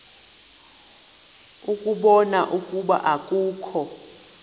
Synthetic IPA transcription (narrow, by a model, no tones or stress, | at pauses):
ukʼuɓɔnaʔukʼuɓa̰ʔakʼuːkʰɔ